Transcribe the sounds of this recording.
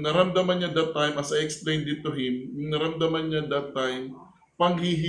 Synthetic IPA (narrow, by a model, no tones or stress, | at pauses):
nɐɾɐmd̪ɐmɐnɲad̪ɐt̪ːajmʔɐsɐjɛksplejnd̪ɪt̪ʊɦɪmjʊŋnɐɾɐmd̪ɐmɐnɲad̪ɐt̪ːajm | pɐŋhiɦɪ